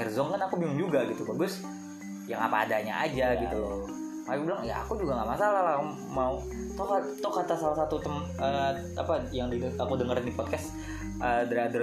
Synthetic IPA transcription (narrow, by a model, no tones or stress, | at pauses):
ɛrzɔŋkanakubimʊŋd͡ʒuɡaɡit̪ubabʊs | jaŋa̰paːdaɲa̰ʔa̰d͡ʒaɡɡit̪ulo | makubilaŋja̰a̰kud͡ʒuɡaŋamasalalau | mau | t̪ɔɦat̪ɔkat̪asalasat̪ut̪əm | ə | apajaŋdiakudəŋərdipɔt̪̚kas | ədəadə